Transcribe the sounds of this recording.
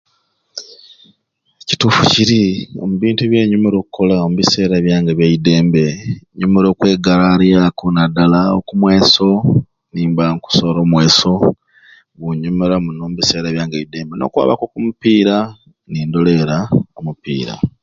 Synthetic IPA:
eci̥tuːfuciɾiomuβiːntuβje̞ːɲumeɾo̞ːkuko̞laomuβise̞ːɾaβjaːŋɡeβjaide̞ːmbe̞ɲumeɾo̞ːkwe̞ːɡaɾaɾjakunadalao̰kumwe̞ːso̞ | niːmbaŋku̥soɾo̞ːmwe̞ːso̞ | βuɲumeɾamunoːmuβise̞ːɾaβjaːŋɡeide̞ːmbe̞no̞̰kwa̰ːβa̰ko̞kumupiːɾa | niːndo̞leɾaomupḭːɾa̰

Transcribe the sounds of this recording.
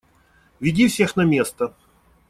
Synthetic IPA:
vʲɪdʲifsʲe̞xnɐmʲe̞st̪ə

